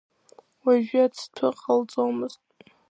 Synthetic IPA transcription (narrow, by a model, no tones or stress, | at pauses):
waʒᶣɪat͡sʰtʰʊqʼalt͡sʼomɨztʼ